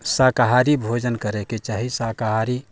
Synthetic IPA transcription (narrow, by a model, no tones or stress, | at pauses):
sakaɦaɾibʱod͡ʒənkəɾeket͡ʃaɦisakaɦaɾi